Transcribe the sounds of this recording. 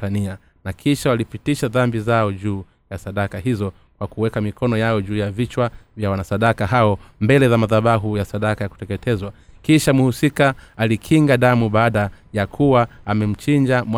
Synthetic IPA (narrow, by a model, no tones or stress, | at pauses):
ania | nakʰiʃawalipitiʃaðambizaɔʄuː | jasaɗakaɦizɔ | kwakuwɛkamikʰɔnɔjaɔʄuːjavit͡ʃwavjawanasaɗakahaɔmbɛlɛzamaðaɓaɦujasaɗakajaku̥tɛkɛtʰɛzwakiʃamuhusikaːlikʰiŋɡaɗamuɓaːɗajakʰuwaːmɛm̩t͡ʃiɲd͡ʒamw